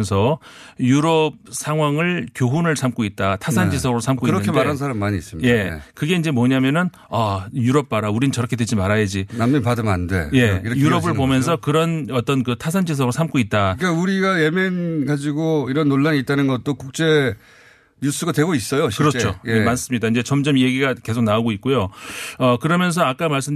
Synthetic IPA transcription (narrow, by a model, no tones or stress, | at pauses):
sʰʌ | juɾʌb̚sʰaŋɦwaŋɯɭkjoɦunɯɭsʰamk͈oit̚t͈atʰasʰand͡ʑisʰʌɡɾosʰamk͈oiɾʌkʰemaɾans̬ʰaɾamːaɲiis͈ɯmije̞kɯɡe̞ind͡ʑe̞mwʌɲamjʌnɯn | ajuɾʌp̚p͈aɾauɾinɯnt͡ɕʌɾʌkʰedwed͡ʑimaɾajed͡ʑinamːinpadɯma̰nde̞̰je̞iɾʌkjuɾʌbɯɭpomjʌnsʰʌkɯɾʌnʌt͈ʌnkɯtʰas̬ʰand͡ʑis̬ʰʌɡɾosʰamk͈oit̚t͈akauɾiɡaje̞menɡad͡ʑiɡoiɾʌnːoɭːaɲit̚t͈anɯnɡʌt̚t͈okuk̚t͡ɕ͈e̞ | ɲus͈ɯɡadwe̞ɡois͈ʌjoɕʰkɯɾʌt͡ɕojemans͈ɯmɲidaind͡ʑe̞t͡ɕʌmd͡ʑʌmje̞ɡiɡake̞sʰok̚nauɡoit̚k͈ojoʌkɯɾʌmjʌns̬ʰʌak͈amaɭs͈ɯm